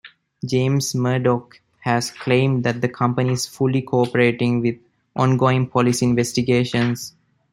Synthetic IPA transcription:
d͡ʒẽːmsməːɖɔk | hæzkʰlẽːmɖd̪æʈ̚d̪əkʰʌ̃mpəniɪz̥fʊlikʰoɔpəɾeːʈɪ̃ŋʋɪd̪ | ʔɔ̃ːnɡoːɪ̃ŋpʰɔlɪsiɪ̃nʋesʈiɡeːʃə̃ns

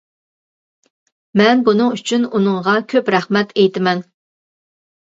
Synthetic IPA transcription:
mɛnbunɨŋyt͡ʃʰynunɨŋʁɑkʲʰøpɾæχmɛt̪ʰejt̪ʰɪmɛn

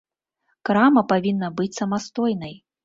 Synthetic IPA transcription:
kɾamɐpavʲinːɐbɨt͡sʲsɐmast̪ɔjnɐj

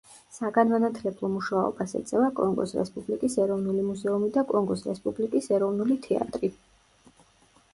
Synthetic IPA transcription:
saɡanmanat̪ʰlɛblˠɔmuʃaɔ̰basɛ̰t̪sʼɛvakʼɔŋɡɔ̰sɾɛ̰spʼublikʼisɛɾɔvnulimuzɛumid̪akʼɔŋɡɔsɾɛspʼublikʼisɛɾɔvnulit̪ʰɛa̰t̪ʼɾi

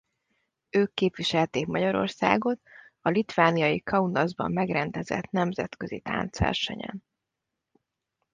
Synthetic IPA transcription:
øːkːeːpʋiʃɛlt̪eːkmɒɟɒɾo̞̰rsa̰ːɡo̞t̪̚ | ɒlit̪ʋaːnijɒjikʰɒunɒzbɒ̰mːɛɡrɛnd̪ɛzɛ̰t̪nɛmzɛt̪kø̞zḭt̪a̰ːnt̪sʋɛ̰rʃɛ̰ɲɛ̰n

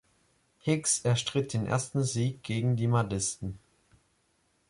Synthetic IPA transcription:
hɪksɛɐʃtʁ̥ɪt̚d̥eːnʔḛːɐstn̩ziːk̚ɡ̥eːɡŋ̩diːmaɐdɪstn̩

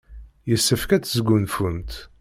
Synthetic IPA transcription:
jəsːəfkæt͡sːəzɡunfunt̪

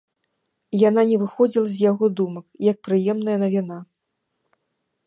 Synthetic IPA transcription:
jananʲɛvɨxɔd͡zʲilˠɐzʲjaɣɔd̪umɐkjɐk̚pɾɨjɛmnɐjɐnɐvʲina

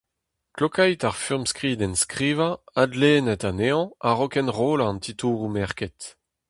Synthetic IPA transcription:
klokajtaʁfyʁmskʁiːdɛnskʁiːvaadleːnɛtaneɑ̃aʁɔkɛnʁoːlaɑ̃nt̪ʰituːʁumɛʁkɛt

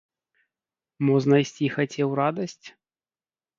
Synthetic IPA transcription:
mɔʐnɐjsʲt͡sʲixat͡sʲɛwɾad̪ɐsʲt͡sʲ

